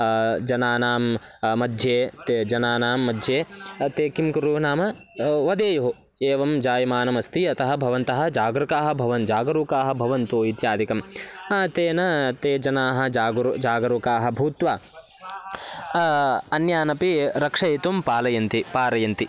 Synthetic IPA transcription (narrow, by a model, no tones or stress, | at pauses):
d͡ʒɐnaːnaːmmɐd̪ʱjeːt̪d͡ʒɐnaːnaːmːɐd̪ʱjeːt̪eːkimkɾuːnaːmɐ | ʋɐd̪eːjɐɦu | eːʋɐmd͡ʒaːjɐmaːnɐmɐst̪iɐt̪ɐɦɐ̆bʱɐʋɐnt̪ɐɦɐ̆d͡ʒaːɡɾɐkaːɦɐ̆bʱɐʋɐnd͡ʒaːɡɐɾuːkaːɦɐ̆bʱɐʋɐnt̪uːit̪jaːd̪ikɐmaːt̪eːnɐt̪eːd͡ʒɐnaːɦɐ̆d͡ʒaːɡɾud͡ʒaːɡɐɾukaːɦɐ̆bʱuːt̪ʋaː | ɐnjaːnɐpiɾɐkʂɐjit̪umpaːlɐjɐnt̪ipaːɾɐjɐnt̪i